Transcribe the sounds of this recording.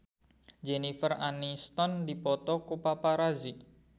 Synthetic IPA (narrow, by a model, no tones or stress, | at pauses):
d͡ʒenifəranist̪ɔndipɔt̪ɔkupapaɾazi